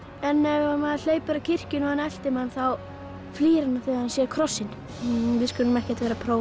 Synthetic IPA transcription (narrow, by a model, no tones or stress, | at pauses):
ɛnːɛɣamaðl̥eːjpʏɾacʰɪr̥cʏnɔhanɛl̥t̪ɪmhanːθaw | fliːɾɪnaθeahansjɛɾkʰɾɔsːɪn | vɪskʏnʏmɛhcɛt̪vɛːɾapʰɾoːw